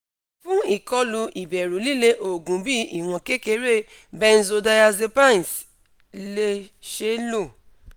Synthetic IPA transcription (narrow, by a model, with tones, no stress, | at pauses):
fũ˦i˦˨kɔ˧lu˧ʔi˨bɛ˨ɾu˨˦li˦˨le˧ʔo˨ɡũ˨˦bi˦i˦˨w̃ɔ̃˧˨ke˦ke˧˦ɾe˦ | bɛ˦n̩˦zo˧da˧ja˧ze˧pa˦n˨s | le˧ʃe˧˦lo˦˨